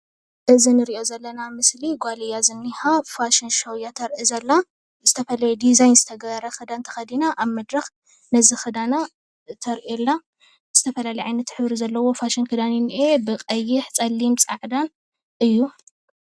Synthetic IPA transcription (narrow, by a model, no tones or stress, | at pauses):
ʔɨzinɨɾiʔo̞zɐlːɐnamɨsliɡʷalijazɨnːihafaʃinʃɐwjat̪ʰɐɾʔizɐlːa | zɨt̪ʰɐfɐlɐjed̪izajnzɨt̪ʰɐɡɐɐɾɐxɨd̪ant̪ʰɐ̥xɐd̪inaʔaβmɐd̪ɾɐx | nɐzixɨd̪ana | t̪ʰɐɾʔelːa | z̥ɨt̪ʰɐfɐlalɐjʕajnɐt̪ħɨβɾizɐlːɐwo̞faʃɪnkʰɨd̪aninʔebɨqʼɐjiħt͡sʼɐlːimt͡sʼaʕd̪an | ʔɨjːu